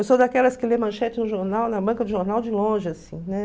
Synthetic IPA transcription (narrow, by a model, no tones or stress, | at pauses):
ewsod̪akɛlɐskɪlemɐ̃ʃɛt͡ʃɪnʊʒoɾnawnɐbɐ̃kɐd̪ʊʒoɾnawd͡ʒɪlõʒɪasĩnɛ